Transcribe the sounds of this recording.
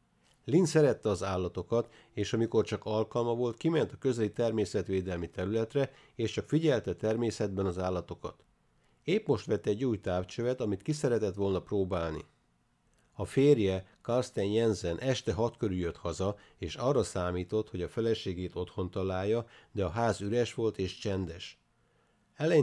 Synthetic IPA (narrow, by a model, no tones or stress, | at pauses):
linsɛɾɛt̪ːɛɒzaːlːɒt̪o̞kɒt̪ | eːʃɒmiko̞rt͡ʃɒkɒlkɒlmɒvo̞lt̪kimɛnt̪ɒkø̞zɛlit̪ɛrmeːsɛt̪ʋeːd̪ɛlmit̪ɛɾylɛt̪rɛ | eːʃt͡ʃɒkfiɟɛlt̪ɛt̪ɛrmeːsɛd̪bɛnɒzaːlːɒt̪o̞kɒ̰t̪ | eːpmo̞ʃt̪ʋɛt̪ːɛɟːuːjt̪aːft͡ʃøvɛt̪ɒmit̪kisɛɾɛt̪ɛt̪ʋo̞lnɒproːbaːlnḭ | ɒfeːrjɛkɒrst̪ɛnjɛnzɛnʔɛʃt̪ɛɦɒt̪kø̞ɾyjøt̪hɒzɒ | eːʃɒrːɒsaːmiːt̪o̞t̪ho̞ɟɒfɛlɛʃeːɡeːt̪o̞t̪ho̞nt̪ɒlaːjːɒd̪ɛɒɦaːzyɾɛʃʋo̞lt̪eːʃt͡ʃɛnd̪ɛʃ | ɛlɛ